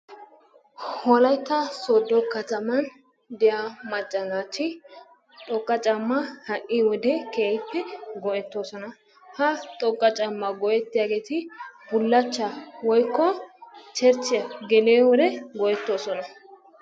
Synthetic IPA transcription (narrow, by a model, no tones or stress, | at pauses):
hɔlɐjt̪ːɐsoːd̪ːɔkɐt̪ɐmɐn | d̪ɛjamɐt͡ʃʼːɐnaːtːɪ | t̪ʼɔkʼːɐt͡ʃʼɐmːɐhɐʔːɪwɔd̪ɛkeːjɪpːɛɡɔʔɛt̪ːoːsɔnɐ | hɐt̪ʼɔkʼːɐt͡ʃʼɐmːɐɡɔʔɛt̪ːɪjaːɡe̞ːt̪ɪb̥ʊlːɐt͡ʃːɐwɔjkːɔt͡ʃɛɾt͡ʃːɪjɐɡɛleːwɔd̪ɛɡɔʔɛt̪ːo̞ːsɔnɐ